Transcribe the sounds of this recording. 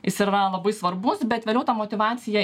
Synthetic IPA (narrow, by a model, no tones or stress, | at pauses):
jɪsɪɾɐlˠɐbɐɪsʋɐɾbʊsbʲɛt̪ʋʲeːlʲɛʊt̪ɐmoːt̪ʲɪʋɑːt̪sʲɪjɛ